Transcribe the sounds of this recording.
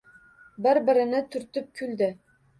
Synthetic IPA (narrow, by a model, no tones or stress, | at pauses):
bɘɾbɘ̆ɾɪ̆nɘt̪ʰɵ̆ɾt̪ɵp̚kʲʰʉld̪ɘ